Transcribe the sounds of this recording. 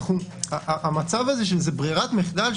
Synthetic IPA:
χuaʔaʔːmat͡savazeʃ̬elzebʁiʁat̪meχdal

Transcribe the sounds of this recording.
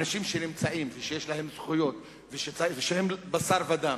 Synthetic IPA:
naʃimʃenimt͡saʔimveʃejeʃlaɦe̞mzχujo̞t̪ | veʃet͡svʃehembasaɾvad̪am

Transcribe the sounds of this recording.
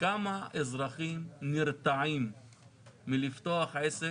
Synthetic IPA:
kamaʔezɾaχimniɾt̪aʕimː | ilift̪oaχese

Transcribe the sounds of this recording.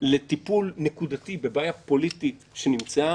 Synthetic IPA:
le̞t̪ipulnekud̪atibe̞bajapo̞lit̪it | ʃe̞nimt͡sa

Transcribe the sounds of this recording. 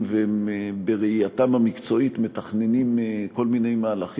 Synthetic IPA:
veembeʁeiatamhamikt͡so̞it̪metaχne̞nimeko̞lmine̞jmaːlaχ

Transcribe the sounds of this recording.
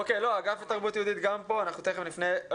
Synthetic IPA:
okejlo̞aɡafet̪aʁbut̪jud̪it̪ɡampo̞anaχnut̪eχevmlifne

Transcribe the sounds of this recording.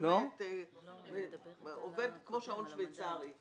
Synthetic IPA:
lot̪eveovedkmoʃaonʃvejt͡saʁi

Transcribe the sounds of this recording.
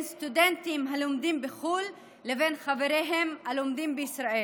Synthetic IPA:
nst̪ud̪ent̪imɦalomd̪imbeχulː | evenχaveɾeɦemhalomd̪imbeisɾaʔe

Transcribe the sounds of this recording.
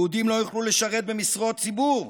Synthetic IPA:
ud̪imlo̞juχluleʃaʁe̞t̪̚bemisʁo̞t̚t͡sibuʁ

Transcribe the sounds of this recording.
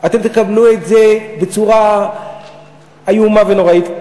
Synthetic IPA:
at̪e̞mt̪ekabluetzebe̞t͡suʁa | ajumave̞no̞ʁait̪

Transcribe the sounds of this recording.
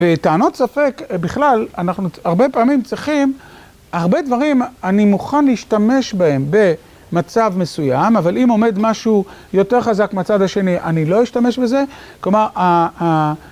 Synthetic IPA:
vetaːno̞t̪safe̞kbiχlalanaχnuaʁbe̞paːmimt͡sʁiχim | haʁbe̞d̪vaʁ̞imanimuχanleiʃtame̞ʃbae̞mbe̞ | mat͡savme̞sujamavalimo̞me̞d̪maʃujo̞t̪e̞ʁχazakmeat͡sad̪aʃe̞niʔanilo̞jiʃtame̞ʃbe̞ze̞klo̞maʁa

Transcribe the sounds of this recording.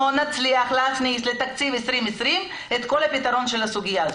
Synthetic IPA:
onat͡sliaχlat͡snislet̪akt͡sivesʁimesʁim | et̪ko̞lhapit̪aʁo̞nʃe̞lhasuɡijaːz

